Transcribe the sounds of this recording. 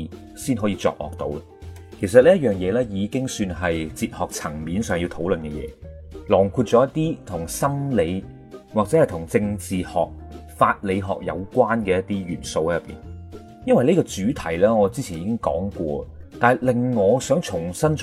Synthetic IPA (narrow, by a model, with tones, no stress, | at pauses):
siː˥nɦɔ˨˥jiː˧t͡sɔ̰ː˧k̚lɔ̰ː˨˩k̚t̪o˨˥wɐ˧kʰe˨˩js̬ɐ˨t̚liː˥ɐ˥t̚jœː˨ŋjɛː˨˧lɛː˥jiː˨˧kɪ˥ŋsyː˧nɦɐ˨jt͡siː˧t̚hɔː˨k̚t͡sʰɐ˨˩ŋmiː˨˧nsœː˨ŋji˧wt̪ʰo˨˥wlɵ˨nkɛ˧jɛ̰ː˨˧ | lɔː˨˩ŋkʰuː˧t̚t͡sɔː˨˥jɐ˥t̪̚ːiː˥t̪ʰʊ˨˩ŋsɐ˥mle˨˧j | waː˨k̚t͡sɛː˨˥hjt̪ʰʊ˨˩ŋt͡sɪ˧ŋt͡siː˨hɔ̰ː˨k̚faː˧t̚le˨˧jɦɔ̰ː˨k̚jɐ̰˨˧wkwaː˥nkɛː˧jɐ˥t̚t̪iː˥jyː˨˩nso˧whɛ˨˥jɐ˨pːḭː˨n | jɐ˥nwɐ˨jne˥kɔː˧t͡ʃyː˨˥t̪ʰɐ˨˩jlɛː˥ŋɔː˨˧t͡siː˥t͡sʰiː˨˩niː˨˧kɪ˥ŋkɔ̰ː˨˥ŋkʷɔ̰ː˧t̪aː˨jlɪ˨ŋːɔː˨˧sœː˨˥ŋt͡sʰʊ˨˩ŋsɐ˥n